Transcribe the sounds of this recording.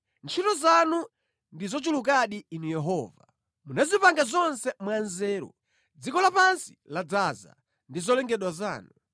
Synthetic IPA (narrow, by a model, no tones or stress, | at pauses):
nt͡ʃʰitɔzanu | ndizɔt͡ʃuluk̬aɗiːnujɛɦɔːva | munazipaŋɡazɔnsɛmwanzɛːɾɔ̰ | d͡zikɔlapansi̥lad͡zaːza̰ | ndizɔlɛŋɡɛɗwaza̰ːnu